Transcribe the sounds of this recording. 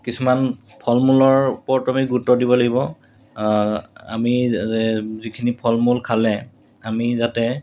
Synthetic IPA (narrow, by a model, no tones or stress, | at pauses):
kisuman | pʰɔlmulɔɹupɔɹtuamiɡutːɔdibɔlaɡibɔ | a̰miɛzikʰinipʰɔlmulkʰalɛ | amizatɛ